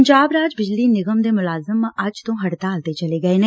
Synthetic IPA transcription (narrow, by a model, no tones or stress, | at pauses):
ɲd͡ʒaːbɾaːd͡ʒbɪd͡ʒliːnɪɡəmd̪eːmʊlaːzəməd͡ʒt̪õːɦəɽt̪aːlt̪eːt͡ʃəleːɡəeːneː